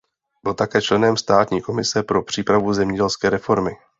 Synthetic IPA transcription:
bɪlt̪akɛːt͡ʃlɛnɛmst̪aːt̪ɲiːko̞mɪsɛpɾo̞pr̥iːpɾavuzɛmɲɛɟɛlskɛːɾɛfo̞ɾmɪ

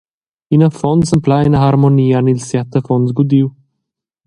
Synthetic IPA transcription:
inəfɔnsəmplajnəɦaɾmoniːanilsjat̪əfɔnzɡud̪iw

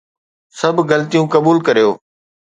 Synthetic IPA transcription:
sɐbʱɣɐlət̪ijũkɐbuːlkɐɾijoː

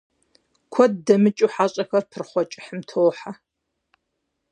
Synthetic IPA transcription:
kʷʰɔddɐmɨt͡ʃʼuħaːɕʼɐxɐrpʰɨrχʷɔt͡ʃʼɪ̥ħəmtʰoːħa

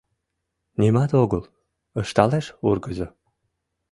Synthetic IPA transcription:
nʲimɑt̪oɣəl | əʃt̪ɑleʃurɡəzo

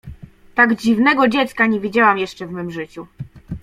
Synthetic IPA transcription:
t̪aɡd͡ʑivnɛɡɔd͡ʑɛt̪skaɲevʲid͡ʑawamjɛʂt͡ʂɛvmɘmʐɘt͡ɕu

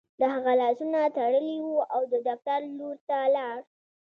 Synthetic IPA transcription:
d̪əɦaɣalɑsunat̪aɽəliwuawd̪əd̪aft̪aɾluɾt̪alɑɾ

